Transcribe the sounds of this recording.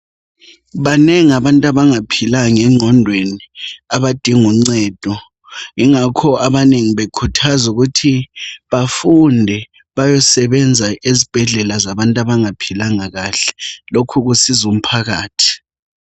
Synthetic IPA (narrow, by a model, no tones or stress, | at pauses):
βaneŋiaβantʼaβaŋapʰilaŋɛŋ͡ǀʱɔndʱweniaβad̥ʱiŋuŋ͡ǀɛːd̥ʱɔ | ŋiŋakʰɔaβaneŋiβekʰutʰazuɣutʰiβafundʱɛ | βajɔsɛβɛnd͡zʱaʔezib̥ʱɛɮɛlazaβantʼaβaŋapʰilaŋaɣaɬɛ̥lokʰuɣ̬usizum̩pʰaɣaːtʰi̥